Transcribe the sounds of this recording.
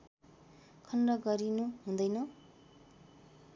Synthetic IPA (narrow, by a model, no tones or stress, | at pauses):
kʰʌnrʌɡʌɾinuɦũnd̪ʌjnʌ